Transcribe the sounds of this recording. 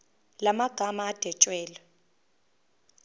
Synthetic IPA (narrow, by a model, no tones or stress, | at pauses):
lamaɡ̥ʱamaːd̥ʱɛt͡ʃʼwɛːlɔ